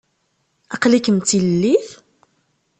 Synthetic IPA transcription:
ɑqlikəmt͡s̪ilːiθ

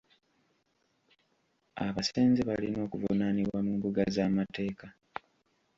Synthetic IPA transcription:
a̰βase̞ːnzeβalino̞ːkuvunaniβwamumbuɡazamate̞ːka

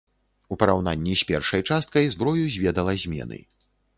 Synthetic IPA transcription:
upɐɾawn̪a̰nʲːisʲpʲɛrʂɐjt͡ʂast̪kɐjzbɾɔjuzʲvʲɛd̪ɐlˠɐzʲmʲɛ̰nɨ̰

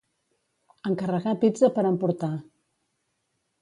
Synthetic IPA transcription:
əŋkərəɣapid͡zəpəɾəmpuɾt̪a

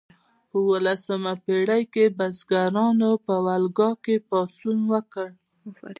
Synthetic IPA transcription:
pəwəlasəmapeɽajkebazɡaɾɑnopəwalɡɑkepɑsunwəkəɽ

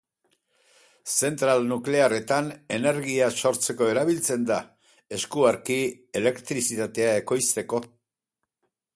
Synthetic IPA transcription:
se̞nt̪ɾalnukle̞are̞t̪ane̞ne̞ɾɣiaso̞ɾt͡se̞ko̞e̞ɾaβilt͡se̞nd̪a | e̞skuaɾki | e̞le̞kt̪ɾisit̪at̪e̞ae̞ko̞jst̪e̞ko̞

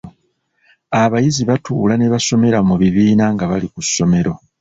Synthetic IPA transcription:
aβajiziβatuːlane̞βaso̞me̞ɾamuβiβiːnaŋɡaβalikusːo̞me̞ɾo̞

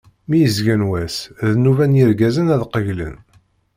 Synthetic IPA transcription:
mijəzɡænwæsðnuvænjiɾɡæzənæðqəʝlə̰n

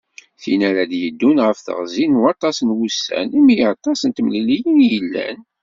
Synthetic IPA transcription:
θinæɾad̪jəd̪ːunʁəfθə̰ʁzinuɑt̪ˤɑsnwusːæ̰nimijɑt̪ˤɑsənt̪əmlilijənjəlːæ̰n

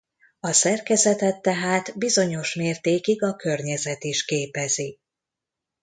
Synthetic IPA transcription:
ɒsɛrkɛzɛt̪ɛt̪ːɛɦaːt̪bizo̞ɲo̞ʃmeːrt̪eːkiɡɒkø̞rɲɛzɛt̪iʃkeːpɛzi

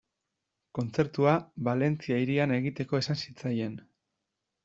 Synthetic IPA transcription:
ko̞nt͡se̞ɾt̪uaβale̞nt͡siaiɾiane̞ɣ̞it̪e̞ko̞e̞sansit͡saje̞n

